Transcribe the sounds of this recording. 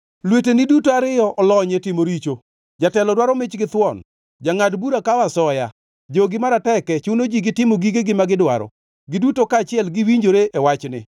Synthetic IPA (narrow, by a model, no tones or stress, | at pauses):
lwetenɪdutoaɾɪjɔʔɔlɔɲetɪmoɾit͡ʃo | d͡ʒatɛlɔdwaɾɔmɪt͡ʃɡɪt̪wɔn | d͡ʒaŋadbuɾakawasɔja̰ | d͡ʒoɡɪmaɾatɛkɛt͡ʃunod͡ʒiɡɪtɪmoɡiɡeɡɪmaɡɪdwa̰ɾɔ̰ | ɡɪdutokaːt͡ʃɪɛlɡɪwiɲd͡ʒoɾeʔɛwat͡ʃnɪ̰